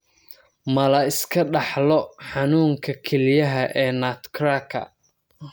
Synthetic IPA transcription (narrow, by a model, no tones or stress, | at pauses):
mɐlɐɪskʰɐɖɑħlɔħɑnuːŋkʰɐkʰɛlɪjɐɦɐʔɛːnaːt̪kʰrakʰɐ̰